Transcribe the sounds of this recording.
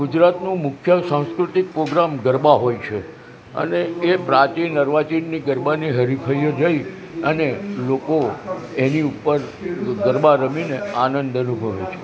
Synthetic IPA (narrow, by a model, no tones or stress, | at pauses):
ɡud͡ʒɾat̪nũmʊkʰjəsãw̃skɾut̪ik̚pɾoɡɾamɡəɾbaɦojt͡ʃʰe | ə̰neepɾat͡ʃinəɾʋat͡ʃinːiɡəɾbaniɦəɾipʰəjəd͡ʒəi | ənelokoeniupəɾɡəɾbaɾəmineanənd̪ənubʱəʋet͡ʃʰe